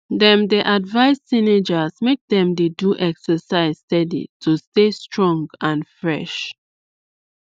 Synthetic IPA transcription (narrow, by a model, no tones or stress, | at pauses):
dɛ̃mdɛʔadvaɪsːined͡ʒasmek̚dɛ̃mdeduʔɛksəsaɪzstɛdḭtʰustestɹɔ̃ŋɡãnfɹɛʃ